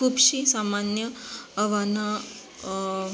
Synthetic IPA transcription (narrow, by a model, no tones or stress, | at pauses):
uːbɕisamanjəəʋana